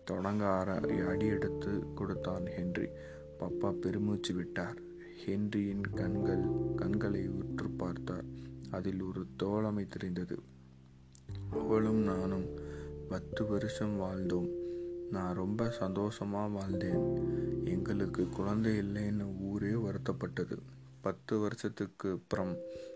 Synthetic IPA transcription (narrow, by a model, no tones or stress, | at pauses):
t̪ɔɽɐŋɡaɾɐ̰jɐːɽɪjɛɽɯt̪ːɯkːɔɽɯt̪ːaːnhɛndrḭ | pɐpːaːpɛɾɯmuːt͡ʃːiʋɪʈːaːɾ | hɛndrɪjɪnɐɡɐɭkɐnɡɐɭɐɪʋɪʈrɯpaːɾt̪a̰ːɾɐðɪlɔɾɯt̪oːɭɐmɐɪt̪ːɪɾɐɪnd̪ɐðɯ̰ | ɐʋːɐɭɯmnaːnɯmpɐt̪ːɯʋɐɾɯʂɐmʋaːɭd̪oːmnaːnɾɔmbɐsɐnd̪oːsɐmaːʋaːlnd̪eːnɛŋɡɐɭɯkːɯkːʊɻɐnd̪ɐjɪlːɐjnːɯuːɾeːʋɐɾɯt̪ːɐpːɐʈːɐðɯ̰ | pɐt̪ːɯʋɐɾɯsɐt̪ːɯkːɯpːɪɾɐm